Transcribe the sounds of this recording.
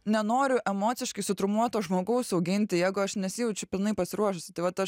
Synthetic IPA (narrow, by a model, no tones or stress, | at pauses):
nʲɛnoːɾʲʊʔɛmoːt̪sʲɪʃkɐɪsʊt̪ɾʊmuɔt̪oːʒmoːɡɐʊsɐʊɡʲɪnʲt̪ʲɪjɛɪɡʊɐʃnʲɛsʲɪjɛʊt͡ʃʲɛpʲɪlˠnɐɪpɐsʲɪɾuɔʃʊsʲɪt̪ɐɪʋɐt̪ɐʃ